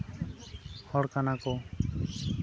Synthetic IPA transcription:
hɔɽkanako

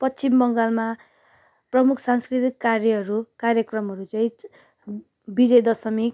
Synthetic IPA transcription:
pʌt͡st͡simbʌŋɡalma | prʌmukʰsanskrit̪ikːarjʌɦʌɾukaɾjʌkrʌmɦʌɾut͡saĩ | bid͡zʌjd̪ʌsʌmik

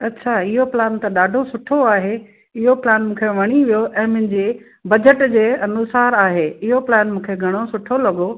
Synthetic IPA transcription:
ɐtːɕʰaɪɦoplɛːnt̪ɐɗaːɖʱosʊʈʰoaːɦe | ɪɦoplɛːnmũːkʰeʋɐɽ̃iʋijoʔɛ̃ːmʊ̃ɦɪ̃ɲd͡ʑeː | bɐd͡ʑəʈd͡ʑeːɐnʊsaːɾaːɦeːɪɦoplɛːnmũːkʰeɡʱɐɽ̃osʊʈʰolɐɠo

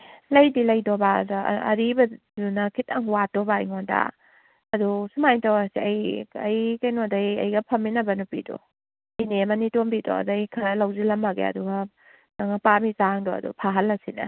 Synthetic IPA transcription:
lɐjdilɐjdɔbad̰ɐ̰ɾibɐ | zunɐkʰitɐŋwatɔbaɐjŋonda̰ | ɐdusumajtawasiɐjɐjkɐjnodajɐ̰jɡɐpʰɐmːinɐbɐnupḭdɔ̰ | jnemɐnitombidɔ̰ɐ̰dajkʰɐɾɐlawzilɐmːaɡḛɐ̰duɡa | naŋapamisaŋdɔɐ̰dṵpʰaɦɐlːɐsinɐ̰

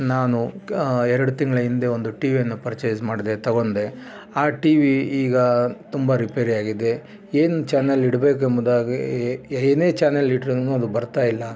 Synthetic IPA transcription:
naːnuɛɾɐɽut̪iŋɡɐɭɐind̪e̞ond̪uʈiːʋijɐnːupɐɾt͡ʃeːd͡ʒmaːɽid̪et̪ɐɡond̪e̞ | aːʈiʋiiːɡɐt̪umbɐɾipeːɾiaːɡid̪e̞ | eːnut͡ʃaːneliɽɐbe̞ːk̬uembod̪aːɡeeːne̞ːt͡ʃaːneliʈɾnːuɐd̪ubɐɾt̪aːjilːɐ

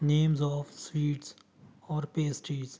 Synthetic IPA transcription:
nẽːmzɔːʋswiːʈs | ɔːɾpeːsʈɾiːz

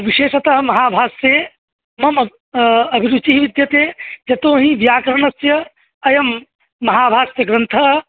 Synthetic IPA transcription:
ʋiʃeːʃɐt̪ɐɦɐmɐɦaːbʱaːseː | mɐmɐ | ɐbʱiɾut͡ʃiɦiʋid̪jɐt̪eːd͡ʒɐt̪oːɦĩʋjaːkɾɐɳɐsjɐ | ɐjɐmː | ɐɦaːbʱaːsjɐɡɾɐnt̪ʰɐɦ

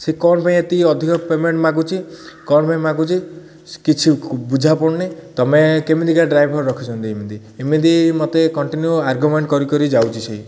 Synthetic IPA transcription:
sekɔnɔpaĩet̪iɔd̪ʱikɔpemeɳʈmaɡut͡ʃʰikɔnɔpaĩmaɡut͡ʃʰi | kit͡ʃʰibud͡ʒʱapɔɽnet̪ɔmekemid̪ʱikaɖɾajbʱɔɾːɔkʰit͡ʃʰɔnt̪iemid̪i | emid̪imɔt̪ekɔɳʈinjuaɾɡumeɳʈkɔɾikɔɾid͡ʒawt͡ʃʰisei

